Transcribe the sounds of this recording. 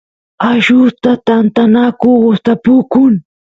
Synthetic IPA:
aʃʊt̪at̪ant̪anakʊɢʊst̪apʊkʊŋ

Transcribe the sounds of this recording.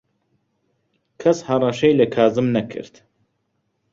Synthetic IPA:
kʰɐshɐrˤɑʃejlɐkʰaːzɨmnɐkʰɨ̰ɾt̪

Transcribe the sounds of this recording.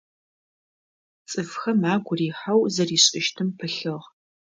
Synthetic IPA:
t͡sʼɨfxɐmaːɡʷʊriːħawzɐriːɕʼɪʃtʰɨmpʰɨɬɨʁ

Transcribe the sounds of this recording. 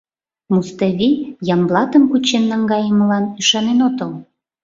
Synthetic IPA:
must̪ɑβʲijɑmblɑt̪əmkut͡ɕenːɑŋɡɑjəməlɑnyʃɑnenot̪əl

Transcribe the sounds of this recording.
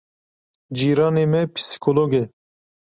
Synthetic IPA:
d͡ʒiːɾɑːneːmɛpʰi̥si̥kʰoloːɡɛ

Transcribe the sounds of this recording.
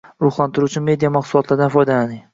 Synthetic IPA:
ɾʊχlˠant̪ʰɪɾut͡ʃʰɪme̞d̪ijamɑχsʊlˠɒt̪ʰlaɾd̪anfɒjd̪alanɪŋ

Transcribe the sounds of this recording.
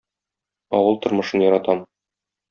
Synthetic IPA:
ɒ̰wɤlˠt̪ŏɾmɤ̆ʃɤnjɒɾɑt̪ɑm

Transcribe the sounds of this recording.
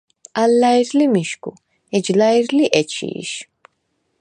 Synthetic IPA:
alːaiɾlimiʃkṵ | ɛd͡ʒlaiɾliʔɛt͡ʃʰḭːʃ

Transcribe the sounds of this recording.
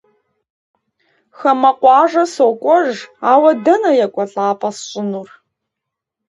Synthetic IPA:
xɐmɐqʷɑːʐɐsokʷʼɔʐaːwɐdɐnɐjɐkʷʼɔɬʼaːpʼɐsɕʼɪnuːr

